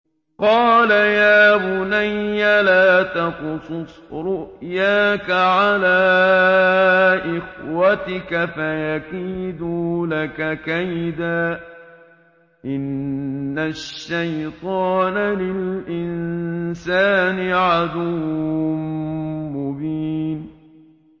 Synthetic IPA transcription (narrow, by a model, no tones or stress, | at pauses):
qɑːlajaːbʊnajːalaːt̪ɑqʊsˤʊs | ɾʊʔjaːkaʕalaː | ʔɪxwat̪ɪkafajaqiːd̪uːlakakajd̪aː | ʔɪnːaʃʃːajt̪ˤɑːnalɪlʔɪnsaːnɪʕad̪uːmmmʊbiːn